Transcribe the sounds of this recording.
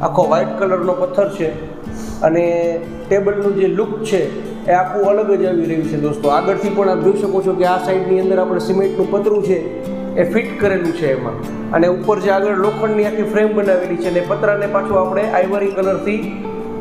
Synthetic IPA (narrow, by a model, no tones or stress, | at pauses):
a̰kʰoʋajʈkələɾnopət̪ʰːəɾt͡ʃʰe | əne | ʈebəlnũd͡ʒelʊkt͡ʃʰeː | apũələɡəd͡ʒaʋiɾəɦjũt͡ʃʰed̪ost̪oaɡəɽt̪ʰipəɳap̚d͡ʒoiʃəkot͡ʃʰokeasaiɖniənd̪əɾapɽ̃esimeʈnũpət̪ɾũt͡ʃʰeː | fiʈkəɾelũt͡ʃʰeːmã̰ | ə̰neupəɾd͡ʒaɡəɭlokʰəɳniak̪ʰifɾembənaʋelit͡ʃʰeənepət̪ɾanepat͡ʃʰõapɽ̃eʔajʋəɾikələɾt̪ʰi